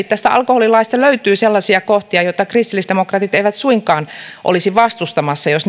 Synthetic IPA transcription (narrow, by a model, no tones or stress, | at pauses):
t̪t̪ːæst̪æɑ̰lkoholilɑist̪ɑløyt̪yːselːɑsiɑkoht̪iɑjot̪ːɑkrist̪ilːˑisd̥̪emokrɑt̪it̪eiʋæt̪suiŋkˑɑːnʔo̰lisiʋɑst̪ust̪ɑmɑsːɑjosn